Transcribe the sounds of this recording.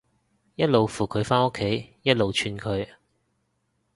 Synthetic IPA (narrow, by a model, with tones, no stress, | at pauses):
jɐ˥t̚lo˨wfuː˨˩kʰɵ˨˧ɥfaː˥nʊ˥kʰːe˨˥jjɐ˥t̚lo˨wt͡ʃʰyː˧nkʰɵ˨˧ɥ